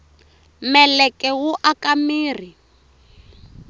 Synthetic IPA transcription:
mɛlɛkʼɛwuʔakamiːr̤i

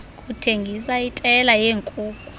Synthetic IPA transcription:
kʼutʰeŋɡʱisaitʼɛlajeːŋkʼuːkʼu

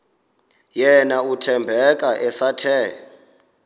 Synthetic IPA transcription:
jɛnautʰɛmbʱɛk̬ʼaʔɛsatʰɛː

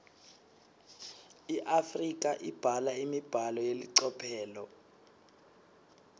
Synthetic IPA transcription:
iʔafrik̬ʼaʔib̥ʱalaimib̥ʱalɔjeliǀɔpʰɛːlɔ

